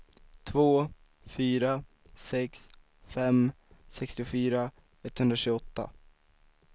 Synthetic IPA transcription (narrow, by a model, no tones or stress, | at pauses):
t̪ʰvoː | fyːɾa | sɛks | fɛm | sɛkst̪ɪʊfyːɾa | ɛt̪ːhɵnd̪ɾaɕʉɡɔt̪ːa̰